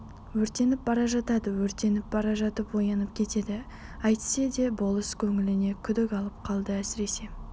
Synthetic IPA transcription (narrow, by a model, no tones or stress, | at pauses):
wɵɾt̪e̞nɪp̚bɑɾɑʒɑt̪ɑd̪əwɵɾt̪e̞nɪp̚bɑɾɑʒɑt̪əpwo̞jɑnəp̚kʲʰe̞t̪e̞d̪ɪ | ɑjt̪ə̥se̞d̪e̞bo̞lˠəskʲʰɵŋɪlɪne̞kʲʰʏd̪ɪkɑlˠəp̚qʰɑlˠd̪əæsɪɾe̞se̞